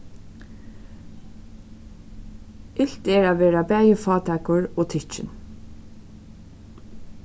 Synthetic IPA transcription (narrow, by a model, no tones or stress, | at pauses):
ɪɬt̪ɛɹaːʋeːɾabæːjəfɑːt̪ʰakʊɹoːt̪ʰɪt͡ʃɪ̰n